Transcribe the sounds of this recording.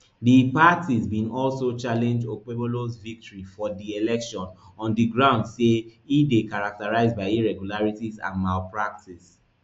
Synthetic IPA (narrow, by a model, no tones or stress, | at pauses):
dipatʰizbĩnɔlsot͡ʃalɛ̃nd͡ʒdokebolosvik̚tɔɹifɔdielɛkʃɔ̃nɔ̃ndiɡɹãʊ̃ndseidekaɹak̚taɹaɪzbaɪiɹɛɡjulaɹitizã̰nmalpɹak̚tis